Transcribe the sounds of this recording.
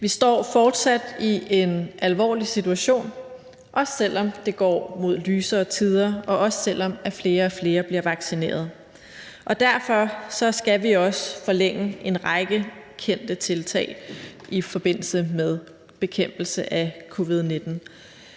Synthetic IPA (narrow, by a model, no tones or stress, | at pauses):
ʋisd̥ɒ̰ːfɒːd̥sæd̥iʔe̝nʔælʋɒ̰ːlisit͡sʰuæɕo̝̰ːn | ʔɒ̽ssel̰ɒ̽md̥e̝ɡ̥ɒ̰ːmo̝ð̞̰ˠlyːsɐːt͡sʰið̞ˠɐɒ̽ʔɒ̽ssel̰ɒ̽mæfle̝ːɐɒfle̝ːɐb̥liɐʋɑ̈ɡ̥sine̝̰ːɐð̞̩ˠ | ʔɒ̽d̥æɐfɒ̽sɒ̽sɡ̥æʋiɒ̽sfɒ̽leŋ̰əe̝nʁɑ̈ɪɡ̥əkʰen̰d̥ət͡sʰe̝lt͡sʰɛ̰ːɪʔifɒ̽b̥e̝n̰l̩səmeð̞ˠ | b̥e̝kʰem̰b̥l̩səʔækʰo̝ʋið̞ˠne̝d̥n̩